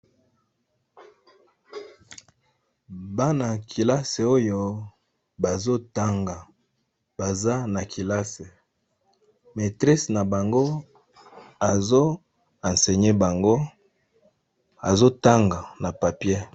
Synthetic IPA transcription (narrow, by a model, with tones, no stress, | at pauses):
ba˦na˨kʰi˨la˦se˨o˦jo˨ | ba˨zo˦ta˦ŋɡa˨ | ba˨za˦na˨kʰi˨la˦se˨ | me˨tʁi˦sna˨ba˨ŋɡo˦ | a˨zo˦ | ã˨nse˨ɲe˦ba˨ŋɡo˦ | a˨zo˦ta˦ŋɡa˨na˨pa˨pje˦